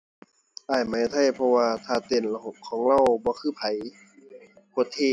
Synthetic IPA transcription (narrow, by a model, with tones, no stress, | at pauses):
ʔaː˧˩jma˨˦jt̪ʰa˧˥˩jpʰɔ˧waː˧t̪ʰaː˧˩t̪e˨˩nla˧ɦo˨˧˩p̚kʰɔː˨˦ŋɾa˧˨wbɔː˧˦kʰɯː˧˥˩pʰa˨˦j | kʰu˧˩˦t̪ʰeː˧˨